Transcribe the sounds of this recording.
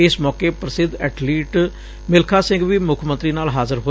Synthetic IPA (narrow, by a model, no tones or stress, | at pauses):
ɪsmɔːkeːpɾəsɪd̪ɛːʈʰliːʈ | mɪlkʰaːsɪ̃ŋɡʋiːmʊkʰmə̃nt̪ɾiːnaːlɦaːzəɾɦoː